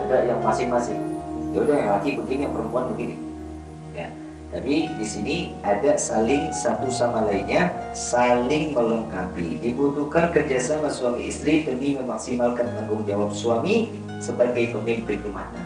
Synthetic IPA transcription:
adaʔjaŋmasɪhmasɪ̰hdaudahjaŋalakipənt̪ɪŋjaŋpəɾəmpuanbəɡinḭ | ja̰ | t̪apidisiniadaʔsalɪŋsat̪usamalaiɲasalɪŋməlɔŋkapḭdibut̪ukankəd͡ʒasamasuamiḭst̪ɾip̪əniməmaksimalkanaɡʊŋd͡ʒawap̚suami | səbaɡajpəmbɪŋpɾikuma̰na

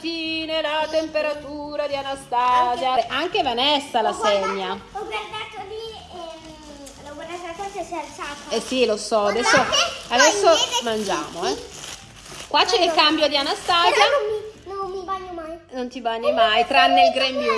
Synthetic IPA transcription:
t̪inelat̪empeɾat̪uːɾad̪ianast̪azjaʔaŋk̟evanɛsːalasɛɲːaɔɡward̪at̪oli | loɡwɛnasasasɛsɛalsat̪ɛsilosɔad̪ɛsːoad̪ɛsːomand͡ʒa̰ːmoɛ | kwat͡ʃːelekambjod̪ianast̪aːzjainonːibaɲːomajnont̪ibaɲːimajt̪ɾanːelɡɾɛmu

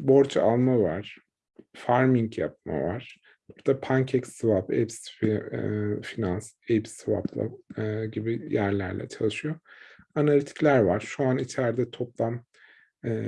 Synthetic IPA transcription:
bo̞ɾt͡ʃʰa̰lˠmavaɾ̥ | faɾmiɲcjap̚ma̰vaɾ̥ | buɾd̪̥apʰaɲcʰɛcsɯvapɛ̰ps | finans | ɛpsva̰plˠa̰ɟibijæɾlʲæ̰ɾlʲɛ̰t͡ʃʰalˠɯʃɯjo | analʲit̪ʰi̥clʲæɾvaɾ̥ʃuanit͡ʃʰæɾd̪ɛt̪ʰo̞plˠamː

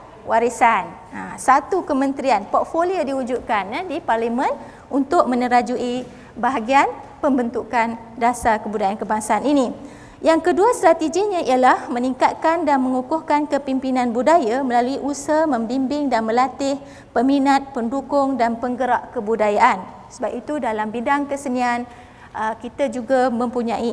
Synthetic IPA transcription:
wʔaɾisan | asat̪ukəmə̃nt̪ɾianpɔt̪̚foliodiud͡ʒud̪̚kanadiparlimə̃n | unt̪ʊk̚mə̃nəɾad͡ʒuʔi | baɦaɡianpəmbənt̪ukan | dasakəbudajankəbaŋsaːnini | jaŋkəduast̪ɾat̪eɡiɲãijalahmə̃niŋkat̪̚kandanmə̃ŋukʊhkankəpimpinãnbudajaməlaluiʔusamə̃mbimbɪŋdanmə̃lat̪ɪh | pəminat̪̚pəndukʊŋdanpəŋɡəɾaʔkəbudajaʔan | səbapit̪udalambidaŋkəsənian | ʔəkit̪ad͡ʒuɡamə̃mpuɲãʔi

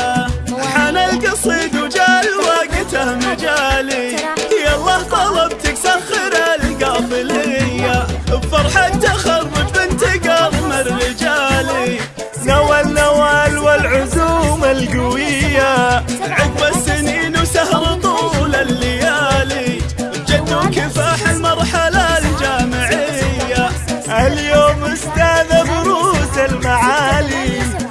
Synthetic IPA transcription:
ħanalɡɑsˤiːd̪ud͡ʒaːlwaːɡɪt̪ahmɪd͡ʒaːlihjɑlˤːɑːht̪ˤɑlˤɑbt̪ak̚t̪axɪɾalɡaːfɪlɪjabfɑɾˤħant̪axɑrˤːɪbɪnt̪ɪɡaɾˤmɪɾːɪd͡ʒali | nawalnawaːlwɪlʕʊzuːmɪlɡʊwɪjːaʕɪɡmasːɪniːnsahɾˤɑt̪ˤuːlalːɪjaːli | d͡ʒat̪ːukɪfaːħɪlmɑɾˤħalald͡ʒaːmɪʕɪjːaʔaljoːmʔʊst̪aːðabɾuːzɪlmaʕaːli

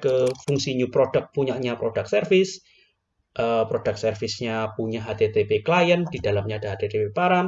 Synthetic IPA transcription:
kəfuŋsiɲupɾod̥ək̚puɲaʔɲapɾod̥ak̚sərfɪs | ʔəpɾod̥ak̚sərfɪsɲapuɲaɦat̪et̪epeklajənd̥idalamɲad̥aɦad̪et̪epepaɾaŋ

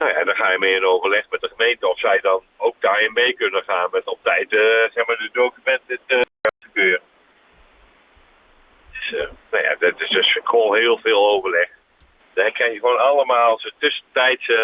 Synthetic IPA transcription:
noja̰dɔχaːjəmeːɪnowvərlɛχmɛt̚dəχəmejntəɔfsɛjdɔn | owk̚daːɪnmejkønənχaːnmɛtɔp̚tɛjtəsɛxmaːɹdədoːkymɛntɪtə | ɛtəkøːrə | dɪsənoja̰dɪtɪssχoːnɦɪːlˠvɪːlˠowvərlɛx | dɔkʰrɛxjəxʋoːnalˠəmaːlˠsətʏsəntɛjts

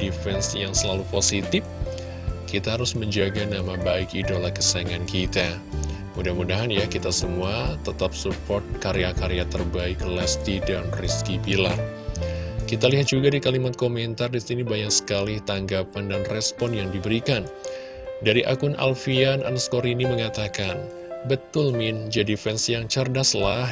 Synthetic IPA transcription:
difɛnsjaŋsəlaluposit̪ɪf | kit̪aɦaɾʊsməɲd͡ʒaɡanamabaɪkidolakə̥saŋankit̪a | mudahmudaɦanjakit̪asəmuat̪ət̪ap̚supɔrt̪̚kaɾeakaɾejat̪ərbaɪklɛst̪idanriskipila̰r | kit̪aliɦat̪̚d͡ʒuɡadikalimat̪̚komɛnt̪ardisinibajaŋsə̥kalɪht̪aŋɡapandanrɛspɔnjaŋdibəɾikan | daɾiʔa̰kʊnʔa̰lfianʔa̰nskɔɾiniməŋat̪akan | bət̪ʊlmɪnd͡ʒadifɛnsijaŋt͡ʃərdaslah

